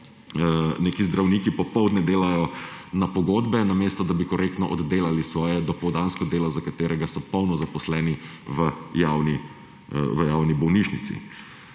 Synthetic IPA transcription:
neːkizd̪ɾawniːkipɔpɔwd̪nɛd̪eːlajɔnapɔɡoːd̪bɛnameːst̪ɔd̪abikɔɾeːk̚t̪nɔʔɔd̪ːeːlalisʋɔːjɛd̪ɔpɔwd̪anskɔd̪eːlɔzakat̪eːɾɛɡasɔpɔwnɔzapɔslɛːni | ʋəjaːwni | ʋəjaːwnibɔwniʃnit̪sḭ

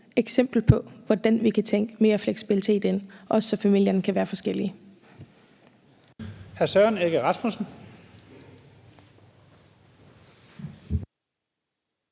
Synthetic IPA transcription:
eɡ̥sem̰b̥l̩pʰɒ̽ʋɒd̥ænʋikʰæt͡sʰeŋ̰ɡ̥əme̝ːɐfleɡ̥sib̥ilit͡sʰe̝̰ːd̥e̝nʔɒ̽səsɒ̽fæmil̰jɐnkʰæʋæːɐfɒ̽sɡ̥el̰i | æɐsɶɐne̝ɡ̥əʁɑ̈smusn̩

